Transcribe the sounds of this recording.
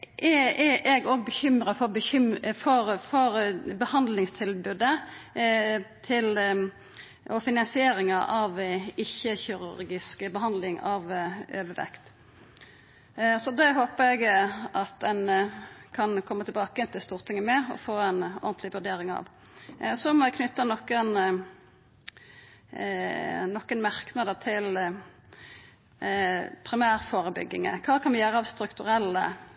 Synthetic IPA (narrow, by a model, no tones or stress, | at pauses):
ʔɛɛʔɛɡoːɡbəçʏmɾəfɔɾbəçʏmfɔɾfɔɾbəhɑnd̪lɪŋst̪ʰɪlbʉd̪ə | t̪ʰɪl | ɔfɪnɑnsɪeːɾɪŋɑʔɑʋɪçːəçɪɾʉ̰ɾɡɪskbəɦɑnd̪lɪŋɑʋøːʋəʋɛ̰kt̪ | sɔd̪ɛɦoːpəɛɡɑt̪̚d̪ɛnkʰɑnkʰɔmːət̪ʰɪlbɑːkəɛnt̪ʰɪst̪uːʁt̪ʰɪŋːəmɛɔ̰foːɛnɔ̰ʁnt̪lɪʋʉɖ̪eːɾɪŋɑ̰ʋ | sɔmkʰnʏt̪ːənɔkːən | nɔkːənmæʁknəd̪ət̪ʰɪl | pʰɾɪmæːɾfoːɾəbʏ̰ɡːɪ̰ŋə̰kʰɑːkʰɑnʋɪjøːɾəɑʋst̪ɾʉkt̪ʉɾɛlːə̰